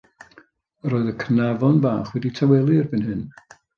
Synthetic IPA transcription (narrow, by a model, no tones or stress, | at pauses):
roːɨðəkʰnavɔnvaːχwɛditʰawɛlˠirbɨnɦɨn